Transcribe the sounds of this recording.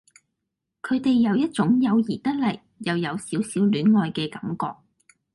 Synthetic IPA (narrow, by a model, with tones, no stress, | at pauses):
kʰɵ˨˧ɥt̪e˨jːɐ˨˧wjɐ˥t̚t͡sʊ˨˥ŋjɐ˨˧wjiː˨˩t̪ɐ˥k̚lɐ˨˩jːɐ˨wjɐ˨˧wsiː˨˥wsiː˨˥wlyː˨˥nŋɔː˨jkɛː˧kɐ˨˥mkɔ̰ː˧k̚